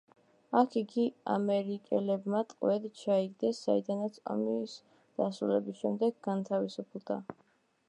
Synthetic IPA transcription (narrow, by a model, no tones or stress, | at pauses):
akʰiɡia̰mɛɾikʼɛlɛbmat̪ʼqʼwɛd̪t͡ʃʰaiɡd̪ɛsz̥aid̪anat̪sʰɔ̰miːs | d̪̥asɾulɛbisʃɛmd̪ɛɡɡant̪ʰavisupʰlˠd̪a